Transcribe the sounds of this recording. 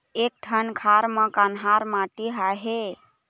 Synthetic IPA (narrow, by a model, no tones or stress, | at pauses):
ek̚ʈʰənkʰaɾməkanɦaɾmãʈiɦaɦe